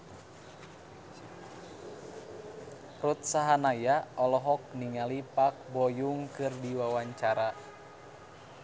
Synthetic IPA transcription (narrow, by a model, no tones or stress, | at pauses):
rut̪̚saɦanajaɔlɔɦɔk̚niŋalipak̚bɔjuŋkɨrdiwawaɲt͡ʃaɾa